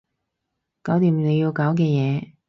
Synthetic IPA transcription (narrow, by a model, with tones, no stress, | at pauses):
kaː˨˥wt̪iː˨˧mne˨˧ji˧wkaː˨˥wk̬ɛː˧jɛː˨˧